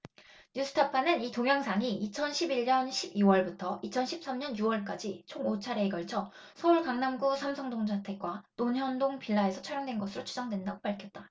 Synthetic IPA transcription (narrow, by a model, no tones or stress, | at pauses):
ɲus͈ʰɯ̥tʰapʰanɯnitoŋjaŋsʰaŋiit͡ɕʰʌnɕʰibiʎːʌnɕʰibiwʌɭbutʰʌit͡ɕʰʌnɕʰip̚s͈amɲʌnjuwʌɭk͈ad͡ʑit͡ɕʰoŋot͡ɕʰaɾeːɡʌɭt͡ɕʰʌ | sʰʌuɭkaŋnamɡusʰamsʰʌŋdoŋd͡ʑʰatʰe̞k̚k͈wanonɦjʌndoŋpiɭːae̞sʰʌt͡ɕʰʌɾjʌŋdwe̞nɡʌsʰɯɾot͡ɕʰu̥d͡ʑʌŋdwe̞ndaɡopaɭkʰjʌt̚t͈a